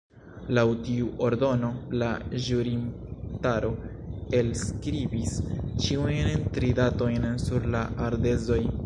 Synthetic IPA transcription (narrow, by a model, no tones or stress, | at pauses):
lawtiuʔo̞ɾdo̞no̞laʒuɾintaɾo̞ | e̞lskɾibist͡ʃiujntɾidato̞jnsuɾlaʔaɾde̞zo̞j